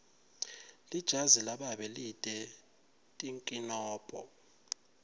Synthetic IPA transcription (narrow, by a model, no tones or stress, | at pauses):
lid̥ʒ̥ʱazilaɓaɓɛlitʼɛ | tʼiŋkʼinɔːpʼɔ̰